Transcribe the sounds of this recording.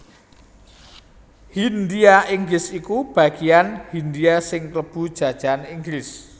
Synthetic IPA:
hind̪iaiŋɡlɪsikub̥a̤ɡ̥ijanhind̪iasɪŋkləb̥ṳd̥ʒ̥a̤d̥ʒ̥a̤niŋɡlɪs

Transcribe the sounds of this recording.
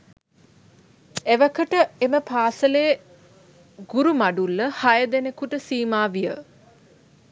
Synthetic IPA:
eʋəkəʈəeməpaːsəleː | ɡuɾumaɖulːəhajəd̪enekuʈəsiːmaːʋijə

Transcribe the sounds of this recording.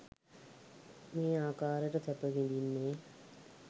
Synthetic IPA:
meːaːkaːɾəʈət̪æpəʋind̪inːeː

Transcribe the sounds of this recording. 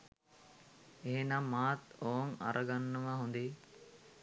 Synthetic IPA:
eɦenamːaːt̪oːŋa̰ɾʔəɡanːəʋaɦund̪e

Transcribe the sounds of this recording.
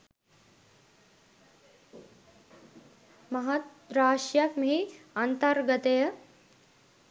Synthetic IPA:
mɐɦɐt̪ | ɾaːʂjɐkmɦiɐnt̪ɐɾɡɐt̪ejɐ

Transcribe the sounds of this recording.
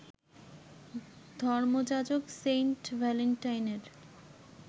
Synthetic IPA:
d̪ʱɔɾmod͡ʑad͡ʑokseɳʈvɛleɳʈajneɾ

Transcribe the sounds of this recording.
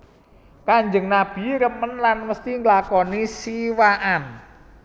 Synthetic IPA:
kaɲd͡ʒəŋnab̥i̤ɾəmənlanməst̪iŋəlakɔnisiwaʔan

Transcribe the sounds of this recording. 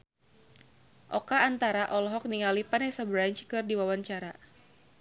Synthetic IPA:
ʔɔkaːnt̪aɾaʔɔlɔɦɔk̚niŋalipanɛsəbɾaɲt͡ʃkɨrdiwawaɲt͡ʃaɾa

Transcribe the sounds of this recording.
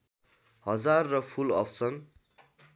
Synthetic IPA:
hʌd͡zarːʌpʰulʌ̰pʰsʌŋ

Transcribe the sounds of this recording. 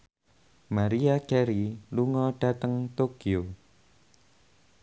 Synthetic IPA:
maɾiakɛɾiluŋɔɖ̥a̤t̪əŋt̪okio

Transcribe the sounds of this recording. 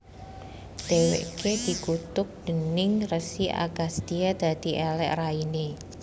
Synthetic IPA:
d̪̥ewḛʔked̪̥i̤kut̪ʊk̚d̪̥ə̤nɪŋrəsiʔa̰ɡast̪iad̪̥ä̤d̪̥i̤ʔɛlɛ̰ʔraine

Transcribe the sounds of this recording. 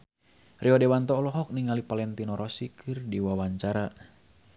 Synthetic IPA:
riɔdɛwant̪ɔlɔɦɔk̚niŋalipalɛnt̪inɔɾɔsikʰɨrdiwawaɲt͡ʃaɾa

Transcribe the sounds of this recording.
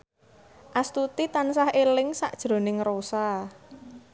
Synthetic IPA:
ʔast̪ut̪it̪ansahelɪŋsa̰ʔd̥ʒ̥ɾo̤nɪŋrosa

